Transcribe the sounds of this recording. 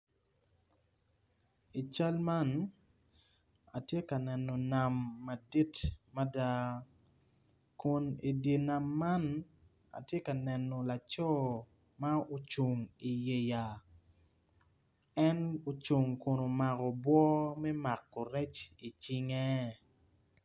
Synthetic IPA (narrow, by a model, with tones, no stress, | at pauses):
i˨t͡ʃa˦lma˦n | a˨tje˦ka˨nɛ˨no˨na˨mːa˨di˦tma˦da˦ | kʊ˨ni˨di˨na˨mːa˦n | a̰˨tje˦ka˨nɛ˨nːo˨la˨t͡ʃɔ˦ | ma˦o˨t͡ʃu˨ŋi˨je˨ja˨ | ɛ˦no˨t͡ʃu˨ŋko˨no˨ma˨kɔ˨bwɔ˦mɛ˦ma˨kːo˨ɾɛ˦t͡ʃi˨t͡ʃi˦ŋɛ˦